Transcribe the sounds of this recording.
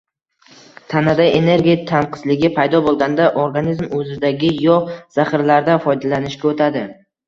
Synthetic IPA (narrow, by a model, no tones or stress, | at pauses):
t̪ʰanad̪ajene̞ɾɡʲijat̪ʰanqʰɨ̥zlɪɡʲɪpʰajd̪ɒbolˠɡʲand̪aʔoɾɡanizmɵzɪd̪aɡʲɪjɒz̥aχɪɾlaɾd̪afɒjd̪alanɪʃkʲaot̪ʰad̪ɪ